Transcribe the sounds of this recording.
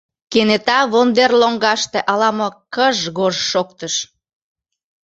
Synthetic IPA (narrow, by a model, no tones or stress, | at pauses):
kenet̪ɑβond̪erloŋɡɑʃt̪eʔɑlɑmokəʒɣoʒʃok̚t̪əʃ